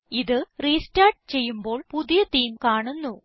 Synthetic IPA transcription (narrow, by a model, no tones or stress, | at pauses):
iðɨriːstaːrʈ̚t͡ɕe̞jːumbo̞ːɭpuðijɐt̪iːmkaːɳunːu